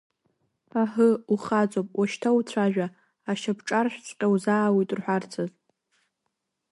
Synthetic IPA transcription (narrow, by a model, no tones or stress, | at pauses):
aħəuχat͡sʷʼopʼwʔaʃtʰawt͡ɕʷʰaʒᶣaː | ʃapʰʈ͡ʂʼarʃᶣt͡sʰʼqʲʼawzaːwijtʼrħʷart͡sʰaz